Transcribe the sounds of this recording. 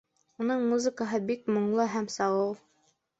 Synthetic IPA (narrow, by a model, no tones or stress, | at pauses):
unɤɴmuzəkəɦɤbikmŏɴlˠɤɦæmsɑʁɤlˠ